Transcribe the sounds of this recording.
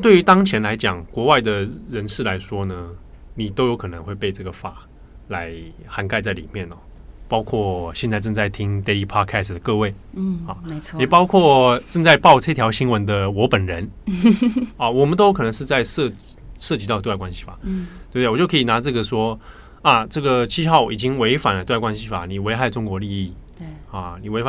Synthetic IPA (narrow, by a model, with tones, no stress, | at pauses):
t̪we˥˩y˧˥t̪ɑ˥ŋt͡ɕʰjɛ˧˥nla˧˥ɪt͡ɕjɑ˨˩ŋkwɔ˧˥wa˥˩ɪd̪ə˩ɻə˧˥nʂɻ̩˥˩la˧˥ɪʂwɔ˥nə˨ | ni˨˩t̪o˥ʊjo˧˥kʰɤ˨˩nə˧˦ŋxwe˥˧ɪpe˥˧ɪʈ͡ʂɤ˥˩ɡə˩fa˨˩ | la˧˥ɪ | xa˧˥nka˥˧ɪt͡sa˥˩ɪli˨˩mjɛ˥˩nɔ̰˨˩ | pɑ˥ʊkʰwɔ˥˩ɕjɛ˥˧nt͡sa˥ɪʈ͡ʂɤ˥˧t͡sa˥˩ɪt̪ʰi˥ŋt̪e˥li˧˥˩pʰɔ˥d̚kʰɛ˥˩sd̪ə˩kɤ˥˧we˥˩ɪ˩ɑ˥˩˧jɛ˨˩pɑ˥ʊkʰwɔ˥˩ʈ͡ʂɤ˥˧ŋt͡sa˥˧ɪpɑ˥˩ʊʈ͡ʂɤ˥˧t̪ʰjɑ˧˥ʊɕi˥ŋwə˧˦˥nd̪ə˧wɔ˧˥pə˨˩nɻə˧˥n | ɐ˥˧˩wɔ˨˩mə˦nt̪o˥ʊkʰɤ˨˩nə˧˥ŋʂ̬ɻ̩˥˧t͡sa˥˧ɪʂɤ˥˧ | ʂɤ˥˩t͡ɕi˧˥ɑ˥ʊt̪kwa˥nɕi̥˧˥˩fa˨˩tt̪e˥˩bd̪e˥˩wt͡ɕo˥˩kʰɤ˧˥i˨˩na˧˥ʈ͡ʂɤ˥˩ɡə˩ʂwɔ˥ | a˥˩ʈ͡ʂɤ˥˩ɡə˩t͡ɕʰi˥˧xɑ˥˩ʊi˨˩t͡ɕi˥ŋwe˧˥ɪfa˨˩nlə˧˩˥kwa˥nɕi˥fa̰˨˩ni˨˩we˧˥ɪxa˥˩ɪʈ͡ʂʊ˥ŋkwɔ˧˥li˥˧i˥˩ | a˥˩ni˨˩we˧˥ɪfa˨˩